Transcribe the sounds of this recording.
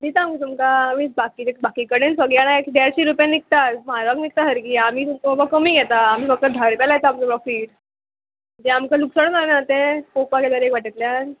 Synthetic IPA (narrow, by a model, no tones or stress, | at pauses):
d̪it̪aːmkit̪umkaːm̤iːbakid͡ʑebakiːkəɽensəɡiaɽ̃aekɖaɾɕiɾupjanik̚t̪at̪maɾaknik̚t̪aɦəɾkiːam̤iːt̪umkbakəmiːɡʱɛt̪aːm̤iːfək̚t̪əd̪ʱaɾpjalajet̪aːmt͡səpɾɔfiːʈ | d͡ʑɛ̃amkaluksəɽ̃naɾnat̪ekokakat̪aɾekʋaʈit̪ljan